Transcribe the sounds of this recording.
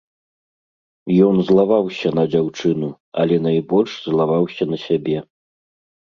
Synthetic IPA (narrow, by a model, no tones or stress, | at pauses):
jɔnzlˠavawsʲɐnɐd͡zʲawt͡ʂɨnu | ɐ̰lʲɛnajbɔlʲʂzlˠavawsʲɐnɐsʲabʲɛ